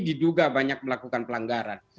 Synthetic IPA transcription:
diduɡabaɲak̚məlakukanpəlaŋɡaɾan

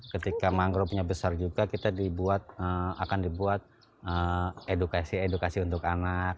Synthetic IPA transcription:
kət̪ikamaŋɡɾopɲabəsard͡ʒuɡakit̪adibuat̪̚əa̰kandibuat̪̚ | əedukasiedukasiunt̪ʊkanak̚

